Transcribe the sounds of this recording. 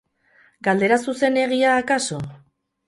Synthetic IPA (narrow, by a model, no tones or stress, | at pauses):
ɡald̪e̞ɾasuse̞ne̞ɣ̞iaːkaso̞